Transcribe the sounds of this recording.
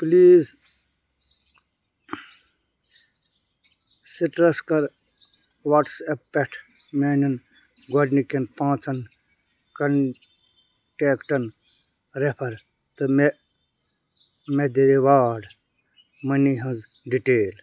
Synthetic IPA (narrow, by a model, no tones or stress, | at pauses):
pliːz | siʈɾɐskɐɾ | ʋaʈsepːeʈʰ | meːnɐn | ɡɔɖnikenpãːt͡sɐn | kɐn | ʈeːkʈɐn | ɾepʰɐɾ | t̪ɨme | med̪ediʋaːɖ | mɐniɦɐ̃zɖiʈeːl